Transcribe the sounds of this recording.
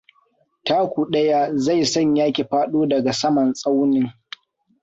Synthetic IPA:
taː˦kʷuː˨ɗɐ˦ja˦za˦˨jsɐ˦˨ɲjaː˦kʲe˨ɸaː˦ɗoː˦dɐ˨ɡa˨sɐ˦mɐ˨nsʼa˦wnɪ˦ŋ

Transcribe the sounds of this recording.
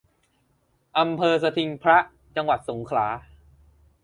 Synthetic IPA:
ʔa˧mpʰɤː˧s̬a˧t̪ʰi˧ŋpʰɾa˦˥ʔ | t͡ɕa˧ŋwa˨˩t̪̚so˩˦ŋkʰlaː˩˦

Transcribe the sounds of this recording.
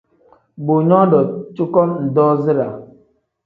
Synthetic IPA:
bo˨ɲɔ˦dɔ˨t͡ʃu˦kɔ˦n̩˨dɔ˦zi˦ɾa˨

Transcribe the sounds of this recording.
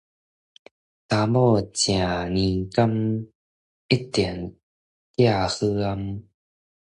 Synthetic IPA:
ta˧mɔ˥˧t͡ɕjã˨˩nĩ˧ka˥˦˥m | i˦˥t̪i˨˩ən | t̪ja˥˧hɯ˦a˧m

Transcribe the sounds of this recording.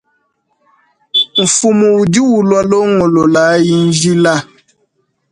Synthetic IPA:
m̩˨fu˨mu˨u˨di˦wu˨lwa˦lo˦ŋo˨lo˨la˨˦ji˦n̩˦d͡ʒi˦la˦

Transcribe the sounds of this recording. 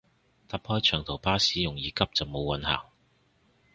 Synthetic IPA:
t̪aː˨p̚hɔː˥jt͡ʃʰœː˨˩ŋt̪ʰo˨˩wpaː˥siː˥jʊ˨˩ŋjiː˨˧kɐ˥p̚t͡sɐ˨wmo˨˧wɐ˨˧nha̰ː˨˩ŋ

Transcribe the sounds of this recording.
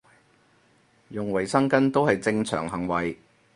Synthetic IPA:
jʊ˨˩ŋwɐ˨˩jsɐ˥ŋkɐ˥nt̪o˥whɐ˨jt͡sɪ˧ŋt͡sʰœ̰ː˨˩ŋɦɐ˨˩ŋwɐ˨j

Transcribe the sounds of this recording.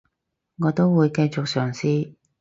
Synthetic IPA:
ŋɔː˨˧t̪o˥wwuː˨˧jkɐ˧jt͡sʊ˨k̚sœː˨˩ŋsiː˥

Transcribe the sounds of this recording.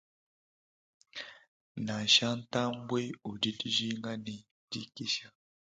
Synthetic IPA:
na˨ʃa˦n˦ta˦mbwe˦u˨di˦di˦ʒi˦ŋɡa˦ne˨ | di˦ki˦ʃa˨

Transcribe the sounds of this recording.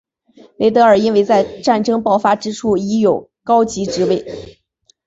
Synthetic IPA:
le˧˥ɪt̪ɤ˧˥ə˞˨˩i˥nwe˥˧ɪt͡sa˥˧ɪʈ͡ʂa˥˩nʈ͡ʂɤ˥ŋpɑ˥˩ʊfa˥ʈ͡ʂɻ̩˥ʈ͡ʂʰu˥˩i˧˥jo˨˩ʊ | kɑ˥ʊt͡ɕi˧˥ʈ͡ʂɻ̩˧˥we˥˩ɪ

